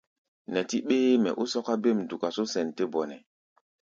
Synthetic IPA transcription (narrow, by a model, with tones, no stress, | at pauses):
nɛ˨ti˦ɓeː˦mɛ̰˨ʔu˦sɔ˦ka˦be˦˨mdu˨ka˨so˦sɛ˨nte˦bɔ˨nɛ˨